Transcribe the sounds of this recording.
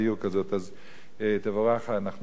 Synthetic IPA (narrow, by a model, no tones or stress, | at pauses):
juʁkazo̞t̪az | t̪evaʁaχanaχn